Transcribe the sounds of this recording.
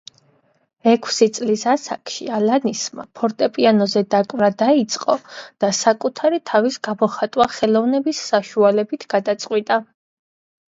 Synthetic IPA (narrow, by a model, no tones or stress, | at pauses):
ɛkʰsit̪sʼlisasa̰kʰʃḭalanisma̰pʰɔɾt̪ʼɛpʼianɔzɛd̪akʼvɾad̪ait̪sʼqʼɔd̪̥asakʼut̪ʰaɾit̪ʰavisɡamɔχat̪ʼwaχɛlˠɔvnɛbisːaʃualɛbit̪ʰɡ̥ad̪at̪sʼqʼwit̪ʼa